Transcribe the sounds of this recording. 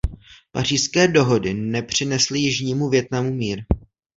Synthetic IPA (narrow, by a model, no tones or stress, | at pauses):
par̝iːskɛːdo̞ɦo̞dɪnɛpr̝̥ɪnɛslɪjɪʒɲiːmuvjɛt̪namumiːɾ